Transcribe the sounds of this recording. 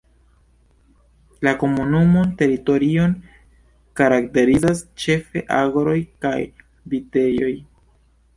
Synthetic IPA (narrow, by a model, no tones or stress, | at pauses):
lako̞munumo̞nte̞ɾito̞ɾio̞n | kaɾakte̞ɾizast͡ʃe̞fe̞̰ʔa̰ɡɾo̞jkaj | bite̞jo̞̰j